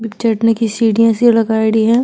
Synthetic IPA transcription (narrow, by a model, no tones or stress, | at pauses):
bɪt͡ʃɐʈnekisiːɖijə̃selɐɡaːɽiɦɛ̃ː